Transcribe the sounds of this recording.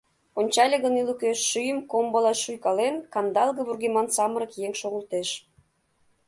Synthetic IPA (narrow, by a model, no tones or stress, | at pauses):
onʲt͡ɕɑlʲeɣənilukeːyjəmkombolɑʃujkɑlenkɑmd̪ɑlˠɣəβurɣemɑnsɑməɾə̆kjeŋʃoɣə̆lt̪eʃ